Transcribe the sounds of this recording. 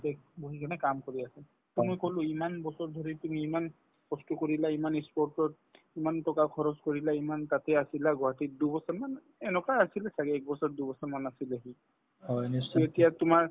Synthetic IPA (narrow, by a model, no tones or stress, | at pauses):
tɛboɦikanɛkamkoɹiasɛ | tumɔjkolʊimanbɔsɔɹd̪ʱoɹitumiːman | pɔstukoɹilaimanispɔɹtɔɹ | imantɔkakʰɔɹɔskoɹilaimantatɛasilaɡɔɦatidubɔsɔɹman | ɛnɛkajasilɛsaɡɛɛk̚bɔsɔɹdubɔsɔɹmanasileɦi | hɔjnisietijatʊmaɹ